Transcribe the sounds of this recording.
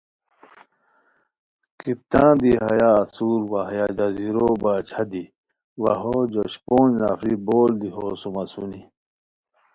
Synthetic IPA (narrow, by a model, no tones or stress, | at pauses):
kip̚t̪ãːd̪iɦɐjaːsuːɾwaɦjad͡ʑɐziɾobaːt͡ɕʰɐd̪i | wɐɦod͡ʑoɕpoːnnafiboːld̪iɦoːsumɐsuni